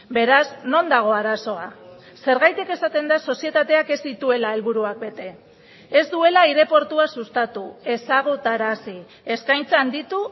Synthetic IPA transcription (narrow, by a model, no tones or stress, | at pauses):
be̞ɾazno̞nd̪aɣ̞o̞aɾaso̞a | se̞ɾɣajt̪eke̞sat̪e̞nd̪aso̞sie̞t̪at̪e̞ake̞zd̪it̪ue̞lae̞lβuɾuak̚be̞t̪e̞ | ezd̪ue̞laiɾe̞po̞ɾt̪uasust̪at̪ue̞saɣ̞ut̪aɾasi | e̞skajnt͡saːnd̪it̪u